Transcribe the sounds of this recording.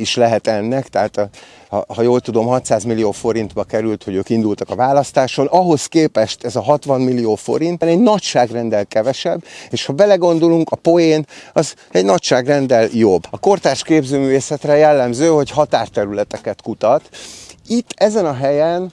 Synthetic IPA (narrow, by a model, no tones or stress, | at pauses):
iʃlɛɦɛt̪ɛnːɛkt̪ɛɦaːt̪ | hɒ̰hɒjoːlt̪ud̪o̞mɦɒt̪saːzmilːijoːfo̞ɾint̪bɒkɛɾylt̪hoɟøːkind̪ult̪ɒkɒvaːlɒst̪aːʃo̞nɒɦo̞skeːpɛʃt̪ɛzɒɦɒt̪ʋɒnmilːijoːfo̞̰ɾint̪nɛɟnɒcʃaːɡrɛnd̪ɛlkɛvɛʃɛbːeːʃhɒbɛlɛɡo̞nd̪o̞luŋkɒpo̞jeːnɒz | ɛɟnɒcʃaːɡrɛnd̪ɛljo̞bːɒko̞rt̪aːʃkeːbzøːmyːveːsɛt̪rɛjɛlːɛmzøːho̞chɒt̪aːrt̪ɛɾylɛt̪ɛkɛt̪kut̪ɒt̪it̪ːɛzɛnɒɦɛjɛn